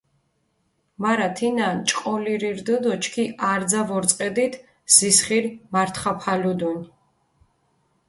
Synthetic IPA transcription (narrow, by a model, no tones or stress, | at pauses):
maɾat̪ʰinant͡ʃʼqʼɔliɾiɾd̪ɨd̪ɔt͡ʃʰkʰiʔaɾd̪zavɔɾt̪sʼqʼɛd̪it̪ʰ | z̥isχiɾmaɾt̪ʰχapʰalud̪un